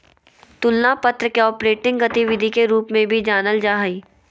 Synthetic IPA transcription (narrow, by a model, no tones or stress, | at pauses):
t̪ʊlnapɐt̪ɾəkeɔːpɾeːʈɪ̃ŋɡɡɐt̪iʋɪd̪ʱikeɾuːpmẽbʱid͡ʒaːnəld͡ʒaːɦiː